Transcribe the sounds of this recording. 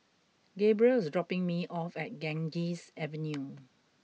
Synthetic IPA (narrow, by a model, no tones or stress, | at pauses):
ɡebɹiəlsdɹɔpɪ̃ŋmiʔɔfɛt̚ɡɛ̃ŋd͡ʒisɛvə̃nju